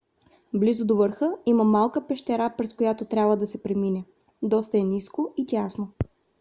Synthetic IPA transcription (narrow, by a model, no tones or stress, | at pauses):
blizod̪ovəɾxəiməmalˠkəpɛʃt̪ɛɾapɾɛskojat̪ot̪ɾʲabvəd̪ɐsɛpɾɛminɛ | d̪ɔst̪ɐɛniskoitʲasno